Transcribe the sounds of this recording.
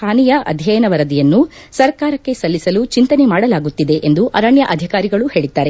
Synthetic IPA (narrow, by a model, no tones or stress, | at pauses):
aːnijɐʔɐ̰d̪ʱjɐjɐnɐʋɐɾɐd̪ijɐnːu | sɐɾkaːɾɐkːe̞sɐlːisɐlut͡ʃint̪ɐne̞maːɽɐlaːɡut̪ːid̪e̞ʔend̪uʔɐɾɐɳjɐʔɐd̪ʱjɐkaːɾiɡɐɭuhe̞ːɭid̪ːaːɾe̞